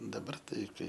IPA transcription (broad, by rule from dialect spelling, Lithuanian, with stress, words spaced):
dɐˈbɐr ˈtɐɪ ˈkɐɪ